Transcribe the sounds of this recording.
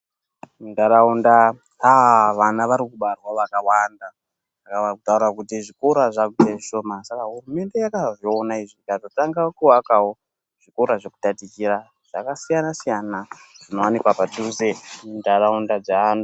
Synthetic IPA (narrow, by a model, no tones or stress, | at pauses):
mundaɾaunda | aʋanaʋaɾikuɓarwaʋakawanda | akaakutauɾakutiʐikoɾaʐakuteʐiʃoːmasakaɦurume̞nde̞jakaʐionaiʐikatotaŋɡakuwakawo | ʐ̥ikoɾaʐeku̥tatikiɾa | ʐ̥akasijanasijanaʐ̥ino̞wanikwapatusemundaɾaundad͡zanu